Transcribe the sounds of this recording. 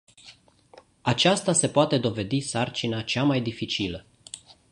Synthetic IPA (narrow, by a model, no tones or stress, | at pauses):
at͡ʃast̪ase̞poat̪e̞d̪o̞ve̞d̪isart͡ʃinat͡ʃamajd̪ifit͡ʃilə